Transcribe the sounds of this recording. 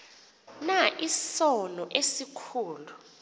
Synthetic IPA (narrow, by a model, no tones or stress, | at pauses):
naʔisɔnɔʔesikʰuːlu